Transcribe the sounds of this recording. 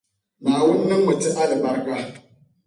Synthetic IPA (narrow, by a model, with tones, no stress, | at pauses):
maː˨wu˦nː˦ɨ˦ŋmɨ˨tɨ˦ŋa˦lɨ˨ba˦ɾka˦